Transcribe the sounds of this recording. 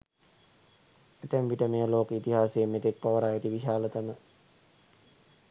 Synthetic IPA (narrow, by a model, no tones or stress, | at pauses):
et̪embiʈəmejəloːkəit̪iɦaːsejːmːet̪ek̚pɐʋəɾaːjet̪iʋiʃaːlət̪amə